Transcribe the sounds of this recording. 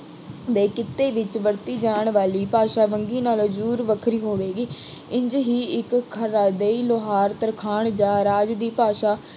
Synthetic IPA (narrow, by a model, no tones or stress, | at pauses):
d̪eːkɪt̪eːʋɪt͡ʃʋəɾt̪iːd͡ʒaːɳʋaːliːpaːʃaːʋəŋɡiːnaːld͡ʒuːɾʋəkʰɾiːɦoːʋeːɡiː | ɪ̃ɲd͡ʒɦiːɪkʰːəɾaːd̪eːiːloːɦaːɾt̪əɾkʰaːɳd͡ʒãːɾaːd͡ʒd̪iːpaːʃaː